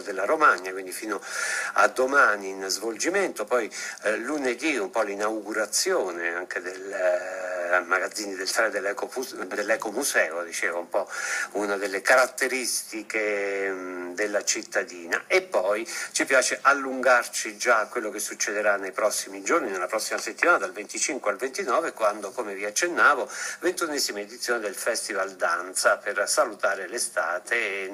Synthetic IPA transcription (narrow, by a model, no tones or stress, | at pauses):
d̪elːaɾomanjakwind̪ifiːnoa̰d̪ːomaːniːnzvold͡ʒimɛnt̪opɔjluned̪iumpɔlinawɡuɾat̪sːjoːneaŋked̪el | maɡad̪zːiːnid̪elt̪aɾed̪elːɛkoud̪elːɛkomusɛːod̪it͡ʃɛːvaumpɔunad̪elːekaɾat̪ːeɾist̪ike | d̪elːat͡ʃit̪ːad̪iːna̰epːɔjt͡ʃipjaːt͡ʃeʔalːuŋɡart͡ʃid͡ʒakːwelːokesːut͡ʃːed̪eɾanːejpɾɔsːimid͡ʒorninelapɾɔsːimaset̪ːimaːnad̪alvent̪it͡ʃiŋkwealvent̪inɔːvekwand̪okomeviat͡ʃːenːaːvovent̪unːɛːzimaed̪it̪sːjoːned̪elfɛst̪ivald̪ant̪sapersalut̪aːɾelest̪aːt̪ʰe